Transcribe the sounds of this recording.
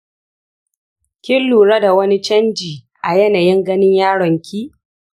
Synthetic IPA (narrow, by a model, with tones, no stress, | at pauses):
kʲɪ˦lːuː˨ɽɐ˦da˨wɐ˦ni˦t͡ʃɐ˦nd͡ʒiː˨ | ʔa˨jɛ˦naː˨jɪ˦ŋɡɐ˦nɪ˦ɲjaː˦ɽɔ˨ŋkʲʰiː˦